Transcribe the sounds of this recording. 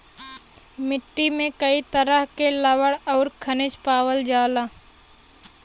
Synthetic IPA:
mɪʈːimẽkəit̪əɾəɦkeləwəɽɔːɾkʰənɪt͡ʃpaːwəld͡ʒaːlaː

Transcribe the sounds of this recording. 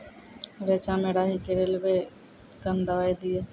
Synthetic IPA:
ɾeːt͡ʃãːmeːɽaːɦikeɾelbeː | kənd̪əʋaːid̪ɪjeː

